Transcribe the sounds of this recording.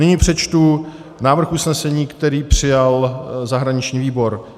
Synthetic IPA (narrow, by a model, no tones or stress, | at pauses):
nɪɲipr̝̥ɛt͡ʃt̪u | naːvr̩xʔusnɛsɛɲiːkt̪ɛɾiːpr̥ɪjalzaɦɾaɲɪt͡ʃɲiːviːbo̞ɾ